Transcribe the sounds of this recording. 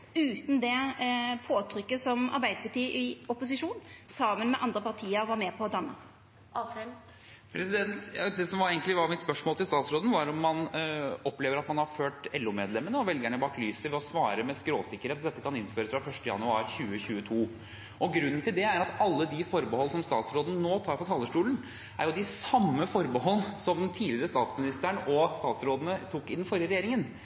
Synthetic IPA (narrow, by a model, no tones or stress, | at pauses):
ʉːt̪n̩d̪ɛpʰoːt̪ʰɾʏkːəsɔmɑ̰ɾbæɪd̪əpɑʈiːʔɪɔpʊs̬ɪʂuːnsɑːmənmɛʔɑnd̪ɾəpɑʁt̪ʰiːəɾʋɑɾmɛpʰɔːd̪ɑnːə̰ | pʰɾɛsɪd̪ɛnt̪d̪ɛsɔmʋɑɾeɡŋk̪lɪʋɑɾmɪt̪spœʂmoːlt̪ɪlst̪ɑːt̪sɾoːd̪n̩ʋɑɾɔmːɑnɔpːleːʋəɾɑt̪mɑnhɑɾføːʈɛlːʊmeːd̪lɛmːənəɔʋɛlɡæɳəbɑːklyːsəʋɛɔsʋɑːɾəmɛskɾoːsɪkəɾheːt̪d̪ɛt̪ːəkʰɑnɪnføːɾəsfɾɑfœʂtəjɑ̰nʉɑːɾçʉːəçʉːət̪ʰuː | ʔɔɡɾʉnːn̩t̪ɪld̪ɛæɾɑt̪ɑlːəd̪ɪfɔɾbəhɔlːsɔmst̪ɑ̰ːt̪sɾoːd̪n̩noːt̪ʰɑːɾpɔt̪ʰɑːlːəʂʈuːln̩ | ʔæ̰ɾjʊd̪ɪsɑmːəfɔɾbəɦɔlːsɔmt̪ʰiːlɪəɾəst̪ɑːt̪smɪnɪst̪əɳɔst̪ɑːt̪sɾoːd̪ənət̪ʰukːɪnːfɔɾjəɾɛjeːɾɪŋən